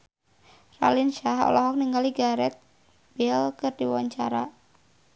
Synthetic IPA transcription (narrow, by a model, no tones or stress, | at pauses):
ra̰linʃaɦɔ̰lɔɦɔk̚niŋɡaliɡaɾɛt̪̚ | b̥ɛlkɨrdiwaɲt͡ʃaɾa